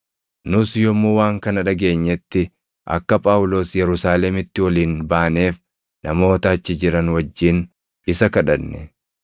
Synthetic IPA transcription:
nʊsjɔmːuwaːŋkɐnɐᶑɐɡe̞ːɲːɛt̪ːɪ | ʔɐ̰kːɐpʼaːwʊlo̞ːsjɛɾʊsaːlɛmɪt̪ːɪwɐliːnbaːneːf | nɐmo̞ːt̪ɐːt͡ʃːɪd͡ʒɪɾɐnwɐd͡ʒːiːn | ɪsɐkɐᶑɐnːɛ

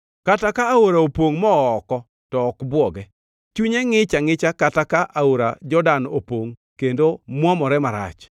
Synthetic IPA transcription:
katakaːoɾaopoŋmɔːkɔ | tɔːkbwɔɡɛ | t͡ʃuɲeŋɪt͡ʃaŋɪt͡ʃakatakaʔaoɾa̰d͡ʒɔdano̰poŋ | kendomwɔmɔɾɛmaɾa̰t͡ʃ

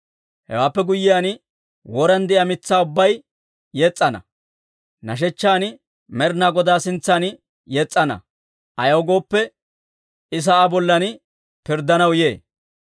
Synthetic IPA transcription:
hɛ̰waːpːɛɡʊjːɪjaːn | wɔɾɐnd̪ɪʔɐmɪt͡sːaːʊbːɐj | jɛt͡sʼːɐnɐ̰ | nɐʃ̬ɛt͡ʃːaːn | mɛɾnaːɡɔd̪aːsɪnt͡sːaːn | jɛt͡sʼːɐnɐ̰ | ʔɐjɐwɡo̞ːpːɛ | ɪs̬ɐabɔlːɐn | pɪɾd̪ɐnɐwje̞ː

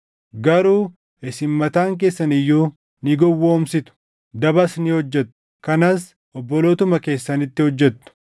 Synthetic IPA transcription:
ɡɐɾuː | ɛsɪmːɐt̪aːŋk̬e̞ːsːɐnɪjːuː | nɪɡɔwːoːmsɪt̪ʊ̥ | d̪ɐbɐsnɪhɔd͡ʒːɛt̪ːʊ̥ | kɐnaːs | ɔbːɔloːt̪ʊmɐke̞ːsːɐnɪt̪ːɪhɔd͡ʒːɛt̪ːʊ̥

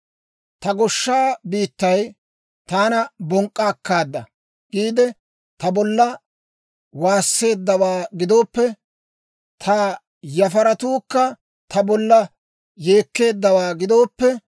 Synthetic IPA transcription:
t̪ɐɡɔʃːaːbiːt̪ːɐj | t̪aːnɐbɔŋkʼːaːkːaːd̪ːɐ | ɡ̥iːd̪ɛ | t̪ɐbɔlːɐ | waːsːe̞ːd̪ːɐwaːɡɪd̪o̞ːpːɛ | t̪ʰa | jɐfɐɾɐt̪uːkːɐ | t̪ʰɐbɔlːɐ | je̞ːkːe̞ːd̪ːɐwaːɡɪd̪o̞ːpːɛ

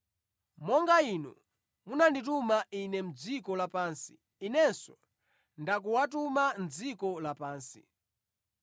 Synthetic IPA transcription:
mɔŋɡainṵ | munanditumainɛm̩d͡zikɔlapaːnsi̥ː | nɛnsɔ | ndak̬uwatumand͡zikɔlapaːnsḭ

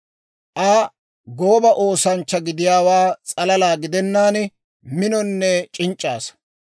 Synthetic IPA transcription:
ʔɐ | ɡo̞ːbɐʔoːsɐnt͡ʃːɐɡɪd̪ɪjaːwaːt͡sʼɐlɐlaːɡɪd̪ɛnːaːn | mɪnɔnːɛt͡ʃʼɪnt͡ʃʼːaːs

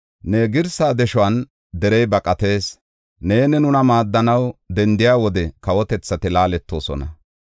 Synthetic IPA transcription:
neːɡɪɾsaːd̪ɛʃɔɐn | d̪ɛɾɛjbɐkʼɐt̪e̞ːs | ne̞ːnɛnʊnɐmaːd̪ːɐnɐwd̪ɛnd̪ɪjaːwɔd̪ɛkɐwɔt̪ɛt͡sːɐt̪ɪlaːlɛt̪ːo̞ːsɔ̰nɐ̰

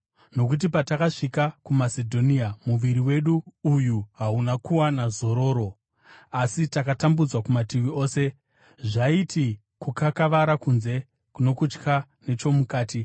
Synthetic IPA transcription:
no̞kut̬ipatakaʂikakumasedʱo̞niamuʋiɾiwe̞ɗuːjuɦaunakuwanazo̞ɾo̞ːɾo̞ | asitakatambud͡zwakumatiwio̞ːse̞ | ʐaiti | kukakaʋaɾakunze̞ | kuno̞kut͡ʃka | ne̞t͡ʃo̞mukaːti

